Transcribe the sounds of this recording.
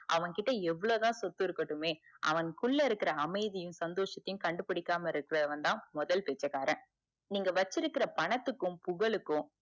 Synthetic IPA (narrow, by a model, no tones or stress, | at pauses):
ʔɐʋɐnkɪʈːɐɛʋːɐɭoːt̪ãːsɔt̪ːɯɪɾɯkːɐʈːɯmeːʔɐ̰ʋɐnkʊɭːɐɪɾɯkːɪɾɐːmɐɪðɪjɯ̃msɐnd̪oːʂɐt̪ːɐjʊ̃mkɐɳɖɯpɪɽɪkːaːmɐɪɾɯkːɪɾɐðɐʋɐnd̪ãːmɔðɐlpeːt͡ʃːɐkaːɾɐ̃ | niːŋɡɐʋɐt͡ʃːɪɾɯkːɪɾɐpɐɳɐt̪ːɯkːɯ̃mpʊɣɐɭɯkːʊ̃